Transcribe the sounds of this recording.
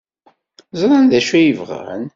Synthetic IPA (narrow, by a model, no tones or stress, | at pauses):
zˤɾˤɑnðæʃæjəvʁa̰n